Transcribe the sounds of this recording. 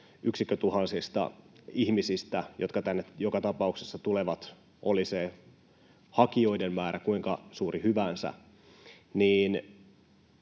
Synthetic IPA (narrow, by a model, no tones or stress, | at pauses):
yksikːøt̪uhɑnsist̪ɑ̰ihmisist̪æjo̞t̪kɑt̪ænːejokɑt̪ɑpɑuksesːɑt̪uleʋɑt̪ | ʔolise | hɑkio̞idemːæːɾʔækuiŋkɑsuːrʔihyʋænsæ̰ | niːn